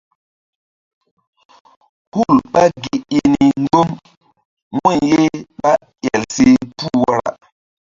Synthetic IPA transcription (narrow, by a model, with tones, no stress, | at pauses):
hu˦˨lɓa˦ɡi˨i˦ni˨ŋ˦ɡo˦m | me˦˨je˦ɓa˦ | jɛ˨lse˦pu˦wa˦ɾa̰˨